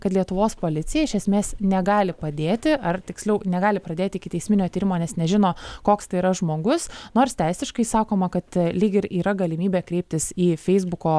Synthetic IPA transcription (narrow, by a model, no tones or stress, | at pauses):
kɐt̪lʲiɛt̪ʊʋoːspoːlʲɪt̪sʲɪjɛɪʃʲɛsʲmʲeːsnʲɛɡɑːlʲɪpɐd̪ʲeːt̪ʲɪʔɐrt̪ʲɪksʲlʲɛʊnʲɛɡɑːlʲɪpɾɐd̪ʲeːt̪ʲɪɪkʲɪtʲɛɪsʲmʲɪnʲoːt̪ʲiːɾʲɪmoːnʲɛsnʲɛʒʲɪnoːkoːkst̪ɐɪiɾɐʒmoːɡʊsnoːɾst̪ʲɛɪsʲɪʃkɐɪsɑːkoːmɐkɐt̪lʲiːɡʲɪɾiːɾɐɡɐlʲɪmʲiːbʲeːkɾʲɛɪp̚ʲt̪ʲɪsiːfʲɛɪzbʊkoː